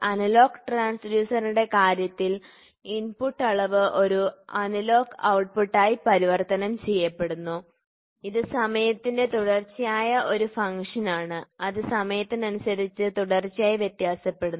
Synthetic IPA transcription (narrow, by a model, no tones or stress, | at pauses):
ɐnɐlo̞ːkʈraːnsɖjuːsɐruɽe̞kaːɾjɐt̪ːil | inpuʈːɐɭɐʋɨʔo̞ɾuɐnɐlo̞ːkɐ̰wʈ̚puʈːaːjipɐɾiʋɐrt̪ɐnɐmt͡ɕe̞jːɐpːe̞ɽunːu | iðɨsɐmɐjɐt̪ːinde̞t̪uɽɐrt͡ɕːijaːjɐʔo̞ɾufɐŋkʂɐnaːɳɨɐðɨsɐmɐjɐt̪ːinɐnusɐðit͡ɕːɨt̪uɽɐrt͡ɕːijaːjiʋjet̪jaːsɐpːe̞ɽunː